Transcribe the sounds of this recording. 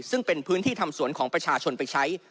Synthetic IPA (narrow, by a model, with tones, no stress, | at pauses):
sɯ˥˩ŋpe˧npʰɯː˦˥nt̪ʰiː˥˩t̪ʰa˧msu˨˩˦ənkʰɔː˩˦ŋpɾa˧t͡ɕʰaː˧t͡ɕʰo˧npa˧jt͡ɕʰa˦˥j